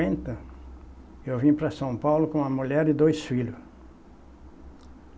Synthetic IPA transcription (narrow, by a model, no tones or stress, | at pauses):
ẽnt̪ɐ | ewvĩpɾɐsɐ̃w̃pawlʊkõũɐmuʎɛɾɪd̪ojsfiʎʊs